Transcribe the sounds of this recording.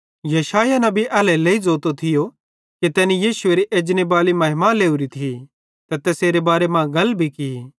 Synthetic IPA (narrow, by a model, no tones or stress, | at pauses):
jɐʃaːjanɐ̃biʔɐːlɛleːid͡zoːt̪ot̪ʰɪjo | kit̪ɛːnijiːsʊeːɾiʔeːd͡ʒnebaːlimɐɦɪmaleːuɾit̪ʰi | t̪ɐt̪ɛːseːɾebaːɾemãɡɐlbʱikii